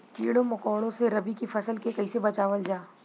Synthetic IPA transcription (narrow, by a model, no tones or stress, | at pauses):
t̪ḭːɽomɐkɔːɽ̃õseɾɐbikifʰɐsəlkekɐisebɐt͡ʃaːʋəld͡ʒaː